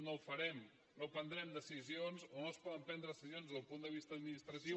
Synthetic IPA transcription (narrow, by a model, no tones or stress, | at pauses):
nowfəɾɛm | nopənd̪ɾɛmd̪əsizionzonospɔðəmpɛnd̪ɾəðəsizionzðəlˠpund̪əβist̪əːd̪minist̪ɾət̪i